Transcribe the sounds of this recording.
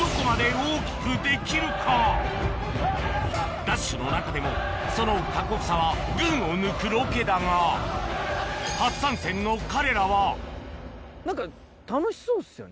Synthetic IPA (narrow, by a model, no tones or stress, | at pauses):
d̪̥o̞ko̞mad̪e̞oːkʲi̥kɯ̟d̪e̞kʲiɾɯ̟kʰa | d̪aɕːɨno̞nakad̪e̞mo̞ | so̞no̞kako̞kɯ̟saβ̞aɡɯ̟̃ɰ̃o̞nɯ̟kɯ̟ɾo̞ke̞d̪aŋa | hasãɰ̃sẽ̞nːo̞kaɾe̞ɾaβa | nãŋka | t̪anoɕi̥soːsɨjo̰ne